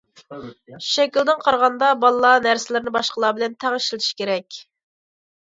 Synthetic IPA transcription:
ʃɛkʲild̪ɪŋqʰɑɾʁɑnd̪ɑbɑlˠlˠɑnæɾsɪlɪɾnɪbɑʃqəlˠɑːbɪlɛnt̪ʰæʁəʃlˠiʃi̥kʲeɾɛkʲ

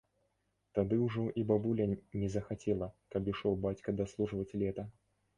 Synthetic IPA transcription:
t̪ad̪ɨwʐɔʔibabulʲɐnʲɛzɐxat͡sʲelˠɐkɐbiʂɔwbat͡sʲkɐd̪ɐslˠuʐɨvɐt͡sʲlʲɛt̪ɐ

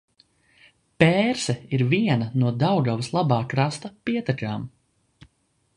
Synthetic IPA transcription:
pɛːɾsɛiɾviɛnɐnuɔd̪awɡawslˠabaːkɾast̪ɐpiɛt̪akaːm

